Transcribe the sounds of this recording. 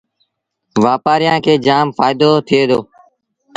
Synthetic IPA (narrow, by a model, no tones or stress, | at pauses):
ʋaːpaːɾɪjãːkʰeːd͡ʒaːmfaːɪd̪oːt̪ʰɪeːd̪oː